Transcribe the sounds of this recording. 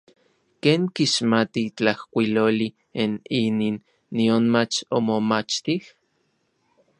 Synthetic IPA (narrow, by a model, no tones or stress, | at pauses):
keːŋkiʃmat̪it͡ɬahkʷiloːli | inininː | ionmat͡ʃomomat͡ʃt̪ih